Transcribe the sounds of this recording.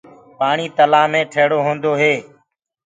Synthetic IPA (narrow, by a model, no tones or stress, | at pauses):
paːɳiːt̪əlaːmẽːʈʰeːɽoːɦõːnd̪oːɦeː